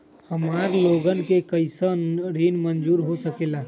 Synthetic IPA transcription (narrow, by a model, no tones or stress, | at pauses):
həmaɾloɡənkekəjsənɾinmənd͡ʒuːɾɦosəkela